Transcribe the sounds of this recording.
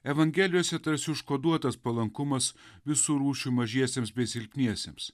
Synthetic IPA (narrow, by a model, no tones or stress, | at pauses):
ɛʋɐŋʲɡʲɛːlʲɪjoːsʲɛt̪ɐɾʲsʲɪʊʃkoːd̪uɔt̪ɐspɐlˠɐŋkʊmɐsʋʲɪsuːɾuːʃʲuːmɐʒʲiɛsʲeːmsbʲɛɪsʲɪlʲpʲnʲiɛsʲems